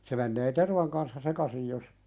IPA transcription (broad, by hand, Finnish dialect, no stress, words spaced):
se menːeː terʋɑŋ kɑnsːɑ sekɑsij jos